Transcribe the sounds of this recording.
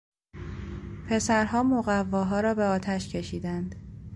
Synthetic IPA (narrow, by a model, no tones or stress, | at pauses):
pʰe̞sæɾhɒːmoɣævːɒːɦɒːɾɒːbe̞ɒːt̪ʰæʃcʰe̞ʃiːd̪ænd̪̥